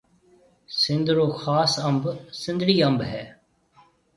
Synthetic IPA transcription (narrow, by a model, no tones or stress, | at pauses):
sɪ̃nd̪ɾoːxaːsəmbsɪ̃nd̪ɾiːə̃mbɦɛː